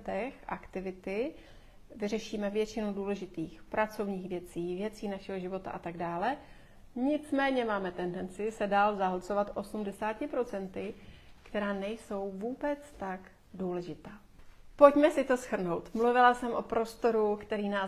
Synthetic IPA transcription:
t̪ɛxʔa̰kt̪ɪvɪt̪ɪ | vɪrɛʃiːmɛvjɛt͡ʃɪnuduːlɛʒɪt̪iːxpɾʔat͡so̞vɲiːxvjɛt͡siːvjɛt͡siːnaʃɛɦoʒɪvo̞t̪a̰ʔat̪aɡdaːlɛ | ɲɪt͡smɛːɲɛmaːmɛt̪ɛndɛnt͡sɪsɛdaːlzaɦl̩t͡so̞vat̪ʔo̞sumdɛsaːcɪpɾo̞t͡sɛnt̪ɪkt̪ɛɾaːnɛjso̞wvuːbɛt͡st̪aɡ | duːlɛʒɪt̪aː | po̞cmɛsɪt̪o̞sxr̩no̞wt̪mluvɪlasɛmʔo̞pɾo̞st̪o̞ɾukt̪ɛɾiːnaː

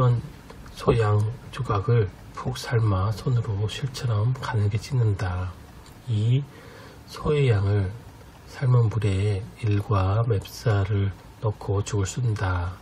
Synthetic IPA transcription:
ʌn | sʰojaŋt͡ɕoɡaɡɯɭ | pʰuk̚s͈ʰaɭmasʰonɯɾoɕʰiɭt͡ɕʰʌɾʌmkanɯɡet͡ɕinːɯnda | i | sʰoejaŋɯɭ | sʰaɭmʌnbuɾeiɭɡwamep̚s͈aɾɯɭ | nʌkʰot͡ɕuɡɯɭs͈uinda

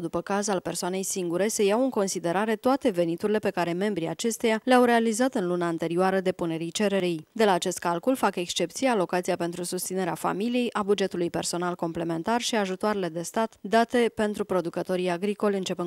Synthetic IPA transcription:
d̪upəkazalpe̞rsoane̞jsiŋɡuɾe̞sejawɨŋko̞nsid̪e̞ɾʔaɾe̞t̪oat̪e̞ve̞nit̪uɾile̞pe̞kaɾe̞me̞mbɾia̰t͡ʃe̞st̪e̞jaleawɾe̞alizat̪ɨnlunaːnt̪e̞ɾioaɾəd̪e̞pune̞ɾit͡ʃe̞ɾe̞ɾijd̪e̞laːt͡ʃe̞st̪̚kalkulfake̞kst͡ʃe̞p̚t̪sijealo̞kat̪sijape̞nt̪ɾusust̪sine̞ɾeafa̰milije̞jʔabud͡ʒe̞t̪ulujpe̞rso̞nalko̞mple̞mẽ̞nt̪arʃiaʒut̪oaɾele̞d̪e̞st̪at̪d̪at̪e̞pe̞nt̪ɾupɾo̞d̪ukət̪o̞ɾijaɡɾiko̞lʲɨnt͡ʃe̞pɨn

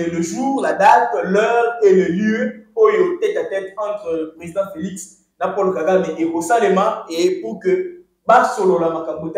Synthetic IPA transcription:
ləʒuʁladatlœʁeləljøojotɛtatɛtɑ̃tχələpʁezidɑ̃feliks | napɔlkaɡamɛʔekosalemãejepuʁkə | basololamakambot

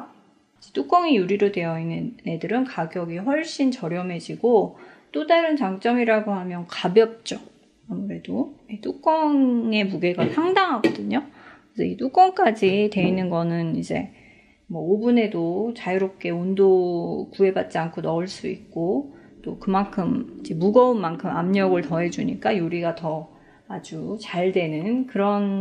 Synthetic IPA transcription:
d͡ʑet͈uk͈ʌŋijuɾiɾodwe̞jʌinːɯnːe̞dɯɾɯnkaɡjʌɡiɸwʌɭɕ͈int͡ɕʌɾjʌme̞d͡ʑiɡot͈odaɾɯnt͡ɕaŋt͡ɕ͈ʌmiɾaɡohamjʌnkabjʌp̚t͡ɕ͈o | amuɾe̞dojet͈uk͈ʌŋe̞muɡe̞ɡasʰaŋdaŋɦaɡʌdɯɲokkesʰʌ̰ituk͈ʌŋk͈ad͡ʑite̞inɯnɡʌnɯnid͡ʑe̞̰ | mwʌobune̞dot͡ɕajiɾop̚k͈e̞ondokue̞bat̚t͡ɕ͈iankʰonʌuɭs͈uik̚k͈ot͈okɯmankʰɯmid͡ʑemuɡʌunmankʰɯmamɲʌɡɯɭtʌɦe̞d͡ʑuɲik͈ajuɾiɡatʌ | ad͡ʑut͡ɕaɭdwe̞nɯnkɯɾʌn

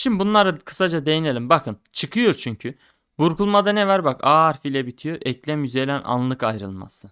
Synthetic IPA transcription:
ʃimibunlˠaɾɯkʰɯ̥sad͡ʒad̪e̞jine̞lʲimbakʰɯnt͡ʃʰɯkʰɯjoɾt͡ʃʰyɲcʰy | buɾkʰulˠmad̪anɛvæɾbakaːɦaɾfijlʲɛbit̪ʰijoɾʔɛclʲæmjyzelʲæna̰nlˠɯkajɾɯ̰lˠma̰sɯ

